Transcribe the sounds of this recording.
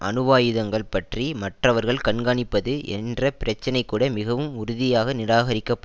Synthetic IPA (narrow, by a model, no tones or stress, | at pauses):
ʔɐ̰nɯʋaːjɯðɐŋɡɐɭpɐʈrimɐʈrɐʋɐɾɣɐɭkɐɳɡaːɳɪpːɐðɯʔɛ̰ndrɐpɪɾɐt͡ʃːɐnɐɪkːuːɽɐmɪɣɐʋɯmʊɾʊðɪjaːɣɐnɪɾaːɣɐɾɪkːɐpː